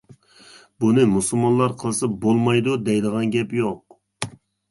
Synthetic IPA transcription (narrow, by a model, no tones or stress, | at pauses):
bunɨmusulˠmɑnlˠɑɾqʰəlˠɨsɑbolˠmɑjd̪ud̪ɛjd̪əʁɑnɡʲɛpjoq